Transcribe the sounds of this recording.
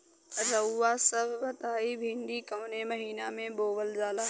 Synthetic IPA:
ɾɐuːasɐbʋɐt̪aːibʱĩːɳɖ̪ikɐʋnemɐɦiːnamẽboːʋəlzaːlaː

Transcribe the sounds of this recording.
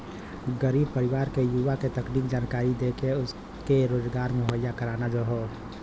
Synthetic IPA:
ɡəɾiːb̚pəɾɪʋaːɾkejuʋaket̪ɐkniːkd͡ʒaːnkaːɾid̪eːkeʊs | keɾoːd͡ʒɡaːɾmẽɦəjːakəɾaːnad͡ʒoɦoː

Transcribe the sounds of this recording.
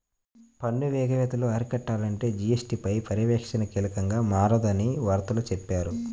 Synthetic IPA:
pɐɳːuʋɛːɡɐʋɛːt̪ɐloːɐɾikɐʈːaːlɐɳʈe̞ːd͡ʒijesʈiːpɐjpɐɾiʋɛːkʂɐnɐkeːlɐkɐŋɡaːmaːɾɐd̪ɐniʋaːɾt̪ɐlɐt͡ʃɛpːaːɾu

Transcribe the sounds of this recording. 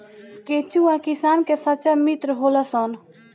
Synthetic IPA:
ket͡ʃuakisaːnkesɐt͡ʃamit̪ɾɦolasɔn

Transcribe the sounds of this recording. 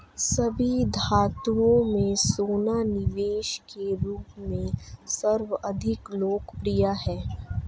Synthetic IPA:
sɐbʱid̪ʱaːt̪uõmẽsoːnanɪʋeːʃkeɾuːpmẽsɐɾʋəʔɐd̪ʱɪkloːkpɾijaɦɛː

